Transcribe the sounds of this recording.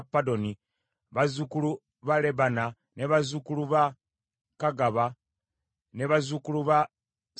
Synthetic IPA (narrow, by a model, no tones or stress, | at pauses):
pːadoni | βazukulu | βaleβana | neβazukuluβa | kaɡaβa | neβazukuluβa